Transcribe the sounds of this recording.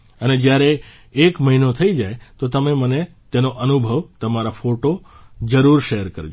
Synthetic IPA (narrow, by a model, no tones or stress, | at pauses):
əned͡ʒjaɾeː | kməɦinot̪ʰəid͡ʒajt̪ot̪əmeməne | t̪enoʔənubʱəʋt̪əmaɾafoʈo | d͡ʒəɾuɾʃeɦəɾkəɾd͡ʒ